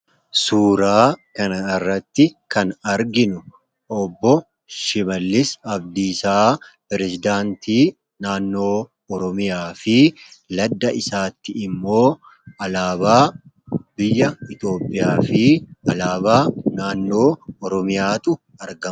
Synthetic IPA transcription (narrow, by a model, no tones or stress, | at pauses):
suːɾaːkɐnɐɪrːɐt̪ːɪkɐnɐɾɡɪnʊ | ʔɔbːɔ | ʃɪmɐlːɪsɐbd̪isaːpɛɾɛsɪd̪aːnt̪iː | naːnːo̞ː | ɔɾɔmɪjaːfɪlɐd̪ːɐʔɪsaːt̪ːɪɪmːo̞ː | ɐlaːbaː | bɪjːɐɪt̪jo̞ːpʼːɪjaːfɪɐlaːbaːnaːnːo̞ːɔɾɔmɪjaːt̪ʼʊ | ɐɾɡɐ